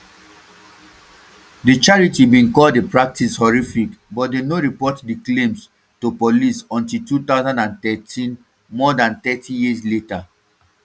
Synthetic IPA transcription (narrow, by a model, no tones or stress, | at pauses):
dit͡ʃaɹitibĩnkɔldepɹak̚tishɔɹifikbɔt̚denoɹipɔtdiklẽms | topolisɔ̃ntiltut̪aʊzãndãnt̪ɛtʰĩn | mɔdãnt̪ɛtʰĩjisleta